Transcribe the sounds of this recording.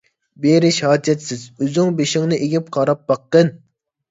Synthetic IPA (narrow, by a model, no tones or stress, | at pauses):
beɾɪʃhɑːd͡ʒ̪jɛt̪sɪzøzyŋbeʃɪŋnɨʔeɡʲip̚qʰɑɾɑp̚b̥ɑqːən